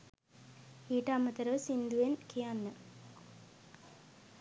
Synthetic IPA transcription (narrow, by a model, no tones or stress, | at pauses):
iːʈɐːmːət̪əɾəʋəsind̪uʋenkijanːə